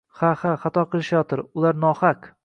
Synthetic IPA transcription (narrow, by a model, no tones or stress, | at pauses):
hahaχat̪ʰɒqʰɨlˠɪʃajɒt̪ʰɪɾʊlˠaɾnɒhak